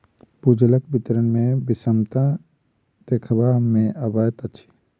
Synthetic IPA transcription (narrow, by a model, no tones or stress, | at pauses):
bud͡ʒləkbit̪ɾənmẽbɪsəmt̪ã | d̪̥eːkʰbamẽəbajət̪ət͡ʃʰi̥